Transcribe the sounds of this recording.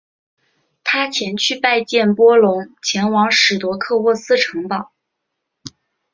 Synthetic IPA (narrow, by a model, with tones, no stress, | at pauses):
t̪ʰa˥t͡ɕʰjɛ˧˥nt͡ɕʰy˥˧pa˥˧ɪt͡ɕjɛ˥˩npwɔ˥lʊ˧˥ŋt͡ɕʰjɛ˧˥nwɑ˧˥ŋʂɻ̩˨˩t̪wɔ˧˥kʰɤ˥˧wɔ˥˩sɹ̩˥˩ʈ͡ʂʰɤ˧˥ŋp̪ɑ˨˩˦